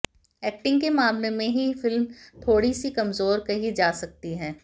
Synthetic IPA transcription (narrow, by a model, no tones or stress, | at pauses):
ɛːk̚ʈɪ̃ŋɡkemaːmlemẽɦifɪlmt̪ʰoːɽisikɐmzoːɾkɐɦid͡ʒaːsɐk̚t̪iɦɛː